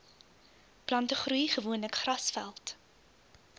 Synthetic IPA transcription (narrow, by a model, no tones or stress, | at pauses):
plɐntəχrɾujχəvuənləkχrɐsfæ̰lˠt